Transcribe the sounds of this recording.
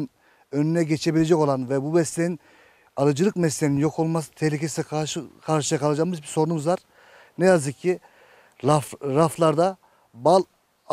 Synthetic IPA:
n | ønynɛɟet͡ʃʰe̞bilʲed͡ʒɛko̞lˠanvɛbumɛslʲenin | alˠɯd͡ʒɯlˠɯkmɛslʲeninjo̞kʰo̞lˠmas̬ɯ̥t̪ʰehlʲikʲʰesiaʃkʰaɾʃɯjakʰalˠad͡ʒambizbiso̞ɾunumuzvaɾ | nɛjazɯk̚ʲʰːi | aɾaflˠaɾd̪a | balˠ

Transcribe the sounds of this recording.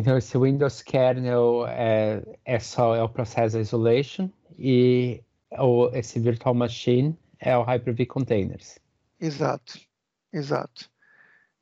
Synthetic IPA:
ẽt̪ɐ̃w̃esɪwĩnd̪owskʰɛɾnewɛɛsɔɛʊpɾosɛs̬d̪ɐizolejʃõ | ɪ | ʊesɪviɾt̪uawmaʃĩn | ɛ̰ʊɦajpeɾvikʰõnt̪ẽj̃nḛɾs | iza̰t̪ʊ̥ | iza̰t̪ʊ̥

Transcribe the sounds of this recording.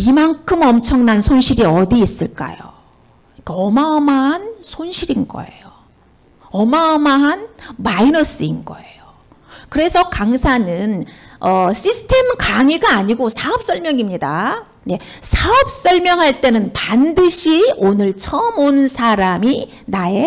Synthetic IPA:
imankʰɯmʌmt͡ɕʰʌŋnansʰonɕʰiɾiʌdiːs͈ɯɭk͈a̰jo̰ | kaʌmaʌmaɦansʰonɕʰiɾinɡʌ̰e̞̰jo | ʌmaʌmaɦanmainʌs͈ɯinɡʌ̰e̞jo | kɯɾe̞sʰʌkaŋsʰanɯnʌɕʰisʰɯ̥tʰe̞mkaŋiɡaːɲiɡosʰaʌp̚s͈ʰʌɭmjʌŋimɲida | ne̞sʰaʌp̚s͈ʌɭmjʌŋɦaɭt͈e̞nɯnpandɯɕʰionɯɭt͡ɕʰʌmonɯnsʰaɾami | nae̞

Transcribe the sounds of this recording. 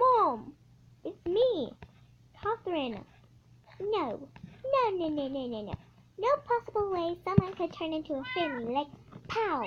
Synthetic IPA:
mɔm | ɪtsmi | kʰɑθəɹɪnə̰ | noʊnoʊnoʊnoʊnoʊnoʊno̰ʊ | noʊpʰɑsəbl̩ˠweɪsʌ̃mwʌ̃nkʰɨd̚tʰɜ̃˞nɪ̃ntʰuəfɪmilaɪk̚pʰaʊ

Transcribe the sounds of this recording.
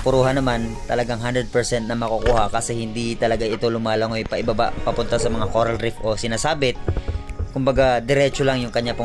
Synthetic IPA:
pʊɾuːɦɐnɐmant̪ɐlɐɡaŋɦand̪ɾɛd̪̚pɛɹsɛnt̪̚nɐmɐkʊkuːhɐkɐsɛhɪnd̪it̪ɐlɐɡaʔɪt̪o̞lʊmaːlɐŋojpɐʔɪbɐba̰pɐpʊnt̪asɐmɐŋakoːɾɐlɾɪfʔo̞sɪnaːsaːbɪt̪̚kʊmbɐɡad̪ɛɾɛːt͡ʃolɐŋjʊŋkɐɲːap

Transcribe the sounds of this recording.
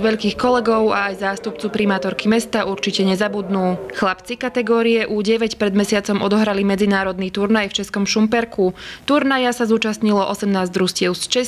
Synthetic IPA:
ʋɛʎkiːxkɔlɛɡɔʊaːjzaːst̪up̚t͡supɾimaːt̪ɔɾkimɛst̪aʔuɾt͡ʃicɛɲɛzabud̪nuːxlapt͡sikat̪ɛɡɔːɾijɛʔuːɟɛʋɛcpɾɛd̪mɛsɪat͡sɔmʔɔd̪ɔɦɾalimɛd͡zinaːɾɔd̪niːt̪uɾnajft͡ʃɛskɔmʃumpɛɾkʰut̪uɾnajasazuːt͡ʃasɲilɔʔɔsɛmnaːzdɾuscɪɛʊst͡ʃɛ

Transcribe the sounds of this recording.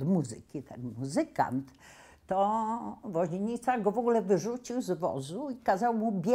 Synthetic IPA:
d̪muzɘ̰kʲit̪ɛnmuzɘka̰nt̪ː | ɔvɔʑeɲit̪saɡɔvɔɡulɛvɘʐut͡ɕiwzvɔ̰zuikazawmubʲjɛ

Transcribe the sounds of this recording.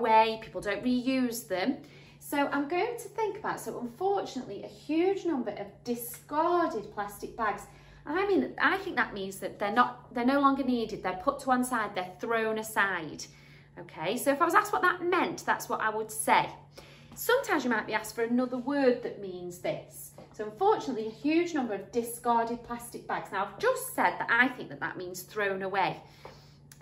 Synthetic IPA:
weɪpʰi̥ˑpl̩ˠdõʊ̃nʔɹijʉːzðə̃m | soʊʔãɪ̃mɡoʊɪ̃ŋtʰəθɪ̃ŋkəbaʊtsoʊʔə̃ɱfɔˑt͡ʃɨnə̰ʔliʔəhjʉd͡ʒnʌ̃mbə˞ʔəvdɪskɑːdɪd̚pʰl̥astɪk̚b̥aɡz̥ | ʔə̃naɪmĩna̰ɪθɪ̃ŋk̚ðə̰ʔmĩnzðɨʔ̪̚ðə˞nəʔðə˞noʊlɒ̃ŋɡə˞niːdɪd̪̚ðə˞pʰʊtʰəwʌ̃nsaɪd̪̚ðə˞θɹõʊ̃nəsaɪd̥ | oʊkʰeɪsoʊɪfaɪwʌzaskwʌʔ̪̚ðəʔmɛ̃nʔðatswɒɾʔa̰ɪwəd̥seɪ | sʌ̃mtʰãɪ̃mzjɨmaɪʔ̚b̥iastfə˞ɨnʌðəwɜ˞d̪̚ðɨʔmĩnzðɪs | soʊʌ̃ɱfɔɹt͡ʃɨnəʔliɨhjʉd͡ʒnʌ̃mbə˞ʌvdɪskɑɹɾɪd̚pʰl̥astɪk̚b̥aɡz̥naʊaɪvd͡ʒʌstsɛd̪̚ðə̰ɾʔaɪθɪ̃ŋk̚ðəʔ̪̚ðə̰ʔmĩnz̥θɹõʊ̃nəweɪ

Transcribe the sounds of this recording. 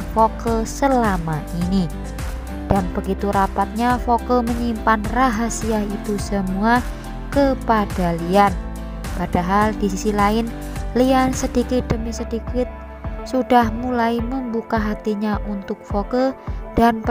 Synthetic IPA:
fokəsəlamaʔini | d̥anb̥əɡit̪uɾapat̪̚ɲafokəməɲimpanraɦasiaɦit̪usəmua | kəpad̥alian | pad̥aɦaldisisilaɪn | liansədikɪt̪̚dəmisədikɪt̪̚ | sudahmulaiməmbukaɦat̪iɲaʔunt̪ʊk̚fokəd̥anp

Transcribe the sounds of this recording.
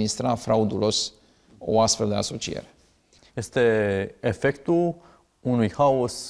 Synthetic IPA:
nist̪ɾafɾaud̪ulo̞s | o̞̰ast̪fe̞ld̪e̞aso̞t͡ʃiḛɾe̞ | jest̪e̞efekt̪ul | unujhaos

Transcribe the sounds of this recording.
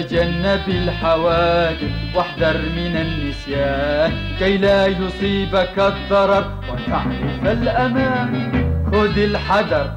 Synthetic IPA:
d͡ʒanːabɪlħawaːd̪ɪθwaħd̪ɑɾˤmɪnanːɪsjaːn | kajlaːjʊsˤiːbakɑd̪ˤːɑɾˤɑb̚ | waʔ̪aʕɾɪfalʔamaːmkʊd̪ɪlħɑd̪ɑɾˤ

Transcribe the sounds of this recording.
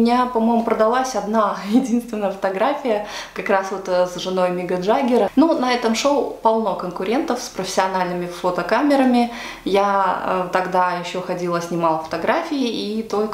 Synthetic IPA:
mʲɪnʲapɐmo̞jmʊpɾəd̪ɐlˠasʲɐd̪najɪdʲinst̪vʲɪnːəjəfə̥t̪ɐɡɾafʲɪjəkɐkɾasvot̪sʐɨno̞jmʲɪɡɐʐaɡʲɪɾənunɐɛt̪əmʂolˠpɐlˠno̞kənkʊɾʲe̞nt̪əfspɾəfʲɪ̥sʲɪɐnalʲnɨmʲɪfot̪əkamʲɪɾəmʲɪ | jat̪ɐɡd̪ajɪɕːo̞xɐdʲilˠəsʲnʲɪmalˠəfə̥t̪ɐɡɾafʲɪɪit̪o̞lʲk

